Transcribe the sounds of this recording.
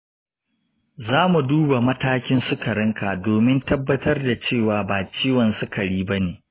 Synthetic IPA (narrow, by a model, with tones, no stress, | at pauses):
zaː˦mu˨duː˦ba˨mɐ˦taː˦kʲɪ˦nsʊ˦kɐ˨ɾɪ˦ŋka˨doː˨mɪ˦ntɐ˦bːɐ˦tɐ˦rda˨t͡ʃeː˦˨waː˨baː˨t͡ʃiː˦wɐ˨nsʊ˦kɐ˨ɽiː˦bɐ˦neː˨